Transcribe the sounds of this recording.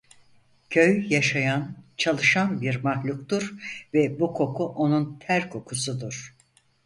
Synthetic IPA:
cʰøjjaʃajant͡ʃʰalˠɯʃanbiɾmahlʲukt̪uɾvɛbukʰo̞kʰuʔo̞nunt̪ʰæɾkʰo̞kʰusud̪uɾ̥

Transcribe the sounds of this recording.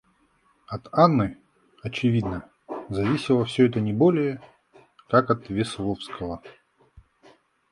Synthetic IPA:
ɐt̪anːɨ | ɐt͡ɕɪvʲid̪nə | zɐvʲisʲɪlˠəfsʲɵɛt̪ənʲɪbolʲɪjə | kakɐt̪vʲɪslˠofskʰəvə

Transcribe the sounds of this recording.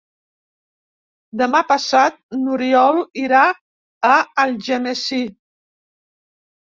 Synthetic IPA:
d̪əmapəsat̪̚nuɾiɔlˠiɾa | əːlˠʒənəsi

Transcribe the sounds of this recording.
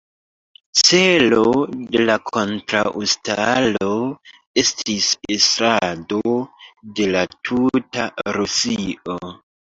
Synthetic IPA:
t͡se̞lo̞de̞lakʰo̞ntɾaʔustalo̞ | e̞stisestɾadode̞latʰutaɾusiʔo̞

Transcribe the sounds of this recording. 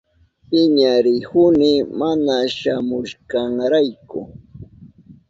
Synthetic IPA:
pɪɲaɾɪhʊnɪmanaʃamʊʃkaŋɾajkʊ̰

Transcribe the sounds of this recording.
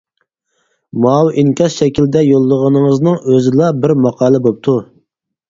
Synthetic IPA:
mɑwʔiŋkʲɑsʃɛkʲild̪ɛjolˠːəʁənɨŋəznɨŋøzɪlˠɑbɪɾmɑqʰɑːlˠɨbop̚t̪ʰu

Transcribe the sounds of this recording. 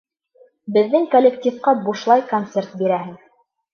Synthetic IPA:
bɘ̆ðːɘŋkolʲːektʲifqɑbuʃlˠɑjkont̪sert̪̚biɾæhɘŋ

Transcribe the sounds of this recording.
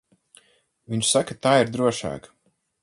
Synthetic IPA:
viɲʃsakat̪aːiɾd̪ɾuɔʃa̰ːk

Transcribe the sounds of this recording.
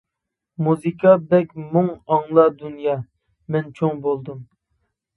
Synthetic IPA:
muzɨkʰɑbɛkʲmuŋɑŋlˠɑd̪unjɑ | mɛnt͡ʃʰoŋbolˠd̪ɨm

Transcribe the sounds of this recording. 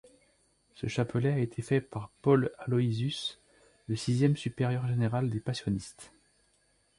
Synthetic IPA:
səʃapəlɛaet̪ʰefɛpaʁpɔlalɔizys | ləsizjɛmsypeʁjœʁʒeneʁald̪epasjɔnist̪

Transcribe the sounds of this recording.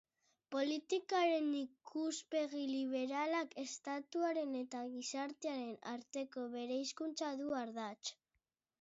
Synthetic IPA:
po̞lit̪ikaɾe̞nikʰuspe̞ɣiliβ̞e̞ɾalake̞st̪at̪uaɾe̞ne̞t̪aɣisaɾt̪eaɾe̞naɾt̪e̞ko̞βe̞ɾejskunt͡saðuaɾðat͡ʃ

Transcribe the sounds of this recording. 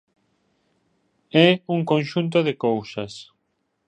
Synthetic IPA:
ɛuŋkõnʃunt̪̬oðekowsas

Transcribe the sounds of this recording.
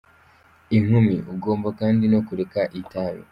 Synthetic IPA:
iŋ̥umiuɡo̞ːmbakaːndino̞kuɾekaʔitaɾo̰

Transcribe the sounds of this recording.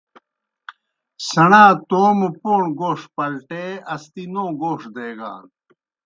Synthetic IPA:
sɐɳaːt̪oːmupoːɳɡoːʂpɐlʈeːɐst̪inoːɡoːʂd̪eːɡa̰ːn

